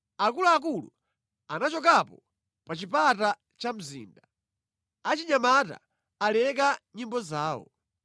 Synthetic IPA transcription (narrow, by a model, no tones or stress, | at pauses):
akuluak̬ulṵ | anat͡ʃɔk̬apɔ | pat͡ʃipata | t͡ʃam̩zḭːnda | at͡ʃiɲamata̰ | alɛk̬aɲimbɔzaːwɔ̰